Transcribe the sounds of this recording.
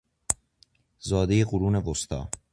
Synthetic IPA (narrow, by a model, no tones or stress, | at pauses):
zɒːd̪ejeɣuɾuːnevost̪ʰɒ̰ː